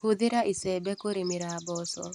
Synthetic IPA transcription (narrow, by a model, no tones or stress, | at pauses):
hud̪ɪɾaʔisɛbɛkoɾimiɾabɔsɔ̰